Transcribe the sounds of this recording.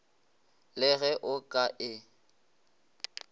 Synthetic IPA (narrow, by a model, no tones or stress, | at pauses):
lɪɣɛʔʊkʼaʔɪ